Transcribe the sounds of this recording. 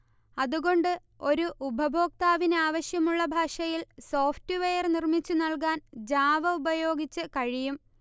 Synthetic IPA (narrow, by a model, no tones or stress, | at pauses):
ɐðuɣo̞ɳɖɨ | o̞ɾuʔubʱɐbʱo̞ːk̚t̪aːʋineaːʋɐɕjɐmuɭːɐbʱaːʂɐjilso̞ːftɨʋejɐrnirmit͡ɕːunɐɭk̬aːnd͡ʑaːʋɐubɐjo̞ːɡit͡ɕːɨkɐɻijum